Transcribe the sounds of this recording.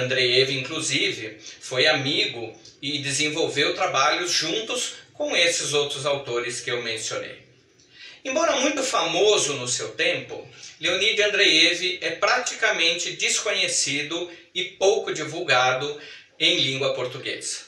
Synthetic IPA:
ɐ̃nd̪ɾejevɪĩŋkluzivɪfojamiɡʊ | ɪd̪ɪzẽvowvewt̪ɾabaʎʊzʒũnt̪ʊskõw̃esɪzowt̪ɾʊzawt̪oɾɪskɪewmẽsio̰nḛj | ẽbɔɾɐmũj̃t̪ʊfamozʊnʊsewt̪ẽmpʊ̰leonid͡ʒɪɐ̃nd̪ɾejevɪʔɛpɾat͡ʃikɐmẽnt͡ʃɪd͡ʒiskõɲesid̪ʊ | ɪpowkʊd͡ʒivuwɡad̪ʊ | ẽj̃lĩɡwɐpoɾt̪uɡḛzɐ̥

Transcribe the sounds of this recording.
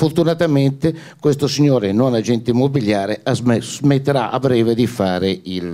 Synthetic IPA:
foɾt̪unat̪ament̪ekwest̪osiɲːoːɾenɔnad͡ʒɛnt̪ɪimːobiljaːɾeazmet̪ːeɾaʔa̰bɾɛːved̪ifaːɾeil

